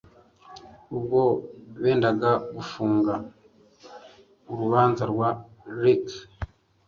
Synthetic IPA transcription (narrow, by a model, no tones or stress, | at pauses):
ubɡo̞βe̞ːndaɡaɡufuːŋɡa | uɾuβaːnzaɾɡwaɾik